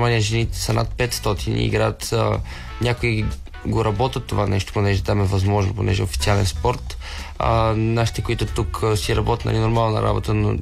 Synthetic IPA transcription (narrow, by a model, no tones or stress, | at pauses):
manijəʒɛnit̪ɛ̥sɐna̰t̪̚pɛt̪st̪ɔt̪ʰinḭḭɡɾat̪ | nʲakoi | ɡoɾɐbɔt̪ət̪ːovanɛʃt̪o̥ponɛʒɛt̪amɛvɐzmɔʒno̰po̰nɛʒɛofit̪sialɛnspɔɾt̪ | naʃi̥t̪ɛkoit̪ʊt̪uksiɾɐbɔt̪inə̰ninoɾmalˠnɐ̰ɾa̰bot̪əno̰